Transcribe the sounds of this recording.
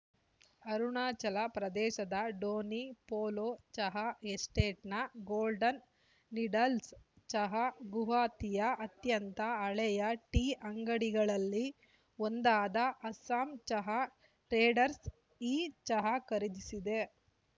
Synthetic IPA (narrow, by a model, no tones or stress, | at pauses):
ɐɾuɳaːt͡ʃɐlɐpɾɐd̪ɛːʃɐd̪ɐɖoːnipoːloːt͡ʃɐɦɐesʈeːʈnɐɡoːlɖɐnː | iɖɐls | t͡ʃɐɦɐɡuɦaːt̪ijɐʔɐt̪jɐnt̪ɐːɭɛjɐʈiːʔɐŋɡɐɽiɡɐɭɐlːi | ond̪aːd̪ɐʔɐsaːmt͡ʃɐɦɐ | ɾeːɖɐɾs | iːt͡ʃɐɦɐkɐɾid̪isid̪e̞